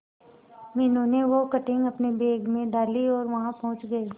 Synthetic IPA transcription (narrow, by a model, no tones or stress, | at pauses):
mɪnõneʋokɐʈɪ̃ŋɡɐpnebeːɡmẽɖaːliɔːɾʋɐɦãpɐɦʊ̃t͡ʃɡɐi